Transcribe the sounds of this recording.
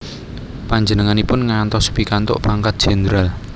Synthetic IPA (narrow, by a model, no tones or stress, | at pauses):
paɲd͡ʒənəŋanipʊnŋant̪ɔspikant̪ʊ̰ʔpaŋkat̪̚dʒ̥ɛnd̪ɾal